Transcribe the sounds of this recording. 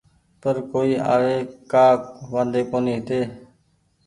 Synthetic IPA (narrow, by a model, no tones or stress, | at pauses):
pəɾkoːiːʔa̰ːʋeːkaːkʋãːnd̪eːkoːniːɦt̪eː